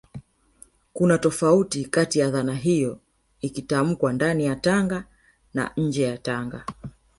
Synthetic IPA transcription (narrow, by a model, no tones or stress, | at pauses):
kunatɔfautikatijaðanaɦijɔ | ikitam̩kwandanijataŋɡa | na̰ɲ̩d͡ʒɛjataŋɡa